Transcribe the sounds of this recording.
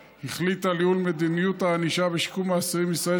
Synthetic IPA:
hiχlit̪aliulmed̪inijut̪aːniʃabeʃkumaːsiʁimisʁae

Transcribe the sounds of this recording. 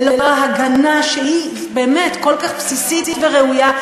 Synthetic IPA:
loeaɦaɡanaʃehi | be̞ːmetko̞lkaχpsisititveʁeuja

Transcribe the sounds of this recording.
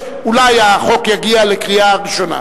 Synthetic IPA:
ulajaχo̞kjaɡialekʁiaʁiʃo̞na̰

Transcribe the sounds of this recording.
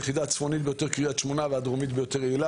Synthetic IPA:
jeχid̪at͡sfonit̪bejo̞t̪e̞ʁkʁijat̪ʃmonavead̪ʁomit̪bejot̪eʁeila

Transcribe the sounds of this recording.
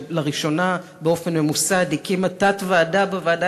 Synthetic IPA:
laʁiʃo̞na | beo̞fe̞nme̞musadikimatatvaːdabavaːda

